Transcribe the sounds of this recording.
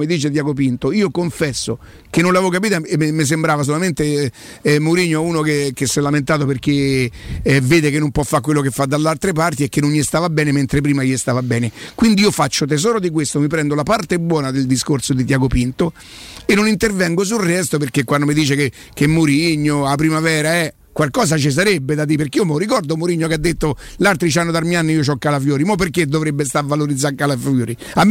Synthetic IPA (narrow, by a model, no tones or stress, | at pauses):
mid̪iːt͡ʃed̪jaːɡop̬int̪oiːokoɱfɛsːo | kenːonlavok̬apiːt̪aememːes̬embɾaːvas̬olament̪e | ɛmːoɾiɲːoɛuːnokek̟esːɛlament̪aːt̪̬operke | veːd̪ekenːompwɔfːakːwelːokefːad̪ːalːalt̪ɾep̬art̪iekːenːoɲjist̪aːvabɛːnement̪ɾep̬ɾiːmajist̪aːvabɛːnekwind̪iiːofat͡ʃːot̪̬ez̬ɔːɾod̪ik̬west̪omip̬ɾɛnd̪olapart̪ebwɔːnad̪eld̪iskorsod̪it̪jaɡopint̪o | enːonint̪ervɛŋɡos̬ulrɛst̪operkekwand̪omid̪iːt͡ʃeke | kemːoɾiɲːoapːɾimavɛːɾaɛ | kːwalkɔːs̬at͡ʃis̬aɾebːed̪at̪iperkeiomeorikɔrd̪omoɾiɲːokead̪ːet̪ːolalt̪ɾit͡ʃanːod̪armjanːiiot͡ʃɔkːalafjɔːɾimɔpːerkːed̪ovɾebːest̪avaloɾid̪zaɾkːalafoːɾi | amː